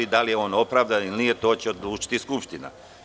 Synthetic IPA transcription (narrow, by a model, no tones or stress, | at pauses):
id̪alijeo̞ːno̞pɾaːʋd̪anilnijet̪o̞ːt͡ɕeod̪luːt͡ʃi̥t̪iskupʃt̪ina̰